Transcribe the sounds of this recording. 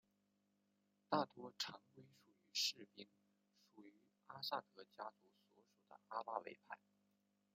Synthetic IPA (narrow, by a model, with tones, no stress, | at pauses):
t̪a˥˩t̪wɔ˥ʈ͡ʂʰɑ˧˥ŋkwe˥ɪʂu˨˩y˧˥ʂɻ̩˥˩pi˥ŋ | ʂu˨˩y˧˥˧ | a˥sa˥˩t̪ɤ˧˥t͡ɕja˥t͡su˧˥swɔ˧˥ʂu˨˩d̪ə̰˦ʔa˥pa˥wḛ˧˥ɪpʰa˥˩ɪ